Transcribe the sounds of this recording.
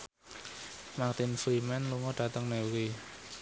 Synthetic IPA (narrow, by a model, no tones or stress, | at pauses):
makt̪ɪnflimɛnluŋɔɖ̥a̤t̪əŋnɛwi